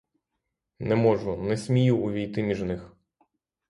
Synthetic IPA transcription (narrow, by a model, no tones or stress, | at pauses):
nɛmɔʒʊnɛsʲmʲijuːʋʲijt̪ɪmʲiʒnɪx